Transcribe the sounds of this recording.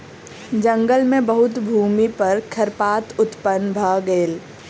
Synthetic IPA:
d͡ʒə̃ŋɡəlmẽbəɦʊt̪bʱuːmipɐɾkʰɐɾpaːt̪ʊt̪pənbʱaːɡeːl

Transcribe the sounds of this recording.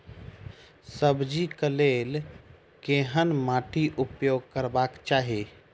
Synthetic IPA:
səbd͡ʒikəleːl | keɦənmaːʈiʔʊpjoːɡ̚kəɾbaːkt͡ʃaːɦe

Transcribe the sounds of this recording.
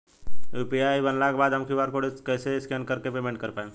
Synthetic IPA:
upiajbənlakebad̪ɦəmkʰibaɾkoɽiskəjseskɛnkəɾkepemẽɳʈ̚kəɾpaẽ

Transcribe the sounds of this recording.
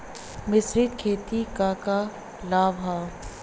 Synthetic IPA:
mɪsɾiːd̪kʰeːt̪ikaːka | laːʋɦaː

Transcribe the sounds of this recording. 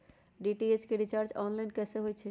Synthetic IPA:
ɖiʈieskeɾit͡ʃaːɾt͡ʃɔnlainkɛseɦojt͡ʃʰɛ

